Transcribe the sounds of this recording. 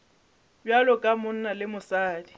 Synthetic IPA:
bjalɔkʼamʊn̩nalɪmʊsaːdi

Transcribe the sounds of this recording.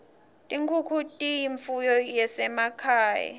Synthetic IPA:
tʼiŋkʰukʰutʼijiɱfujɔjɛsɛmakʰaːja̰

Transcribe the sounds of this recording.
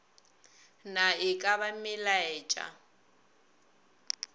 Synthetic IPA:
naɪkʼaβamɪlaɛt͡ʃʼa̰

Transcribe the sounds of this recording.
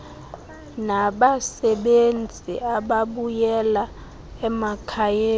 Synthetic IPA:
naɓasɛɓend͡zʱḭaɓaɓujɛla | ɛmakʰajeː

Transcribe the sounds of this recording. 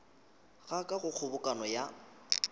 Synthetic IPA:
ɣakʼaɣʊk͡xʰʊbʊkʼanɔja

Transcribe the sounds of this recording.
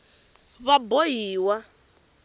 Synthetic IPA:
βabojiːwa

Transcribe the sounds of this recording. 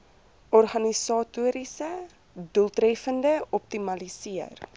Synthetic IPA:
ʔɔrχɐnisɑːtuəɾisə | duəlˠtɾɛfəndəɔp̚timɐlisiər

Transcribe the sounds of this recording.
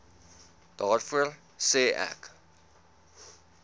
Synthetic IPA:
d̥ɑːrfuər | seːʔæ̰k

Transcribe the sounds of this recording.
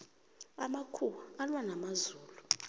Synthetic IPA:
amakʰuwaalwanamazuːlu

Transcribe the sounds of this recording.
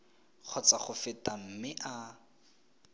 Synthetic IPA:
k͡xʰɔt͡saχʊfɪtʼam̩mɪʔa

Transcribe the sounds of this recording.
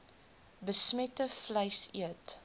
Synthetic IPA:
bəsmɛtəfləjsḭət

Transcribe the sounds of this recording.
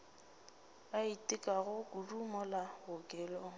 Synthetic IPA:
aitʼɪkʼaɣʊkʼʊrumɔlaɣʊkʼɛːlɔ

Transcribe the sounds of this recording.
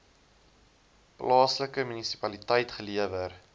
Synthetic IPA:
plʔɑːsləkəmynisi̥pɐlitɛjtχəliəvər

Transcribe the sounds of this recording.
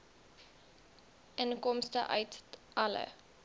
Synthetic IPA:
ʔənkɔmstə̰ʔœ̰ɥtʔɐlə̰

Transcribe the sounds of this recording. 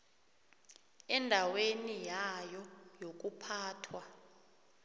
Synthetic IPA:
ɛndʱawenijajɔjok̬upʰaːtʰwa

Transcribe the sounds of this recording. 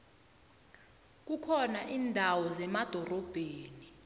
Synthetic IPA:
k̬ukʰɔnaʔiːndʱawɔzɛmad̥ʱɔrɔb̥ʱeːni

